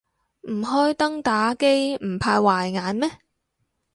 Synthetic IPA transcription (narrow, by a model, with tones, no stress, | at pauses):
m̩˨˩ɦɔː˥jt̪ɐ˥ŋt̪aː˨˥ke˥jm̩˨˩pʰaː˧jwaː˨˩jŋaː˨˧˥nmɛː˥